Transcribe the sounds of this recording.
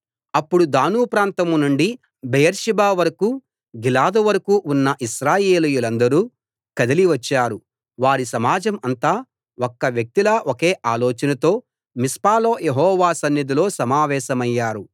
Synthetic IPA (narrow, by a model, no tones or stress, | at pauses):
ɐpːuɽud̪aːnuːpɾaːnt̪ɐmnuɳɖi | bejɐɾʃibaːʋɐɾɐku | ɡilaːd̪ɐʋɐɾɐkuːʔunːɐʔiʃɾaːjeːlujulɐnd̪ɐɾuː | kɐd̪ɐliʋɐt͡ʃːaːɾu | ʋaːɾisɐmaːd͡ʒɐmɐnt̪aː | okːɐʋjɐk̚t̪ilɐʔoke̞ːʔaːloːt͡ʃɐnɐt̪o̞ː | mispaːlo̞ːjeɦɔːʋaːsɐnjɐd̪ilo̞ːsɐmaːʋɛːʃɐmɐjːaːɾu